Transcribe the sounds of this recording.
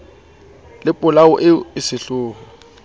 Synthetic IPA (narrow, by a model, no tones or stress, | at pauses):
lɪpʼʊlaʊʔɪɪsɪɬʊːɣʊ